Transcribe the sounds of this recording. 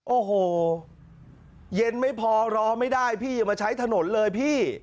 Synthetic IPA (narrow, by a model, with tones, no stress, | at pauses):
ʔoː˨˧˩ɦoː˨˩ | je˧nma˥˩jpʰɔː˧ɾɔː˧ma˥˩jdaː˥˩jpʰiː˥˩jɯː˨˧˩maː˧t͡ɕʰa˦˥jt̪ʰa˧no˩˦nlɤː˧jpʰiː˥˩